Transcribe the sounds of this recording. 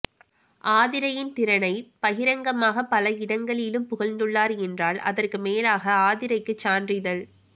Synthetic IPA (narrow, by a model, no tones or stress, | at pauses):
ʔaːðɪɾɐjɪnt̪ɪɾɐnɐɪpɐɣɪɾɐŋɡɐmaːɣɐpɐlɐɪɽɐŋɡɐɭɪlɯmpʊɣɐlnd̪ɯɭːaːɾɛndraːlɐ̰ðɐrkɯmeːlaːɣɐaːðɪɾɐɪkːɯt͡ʃːaːndrɪðɐl